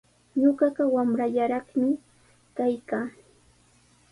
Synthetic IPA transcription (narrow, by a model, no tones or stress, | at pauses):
ɲoɢɑɢɑwamɾaʎaɾɑχmɪ | kajkaː